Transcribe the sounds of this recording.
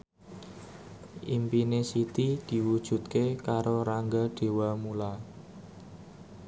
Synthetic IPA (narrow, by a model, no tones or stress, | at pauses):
ʔimpinesit̪id̪̥i̤wud̥ʒ̥ṳt̪̚kekaɾoɾaŋɡaɖ̥e̤wamula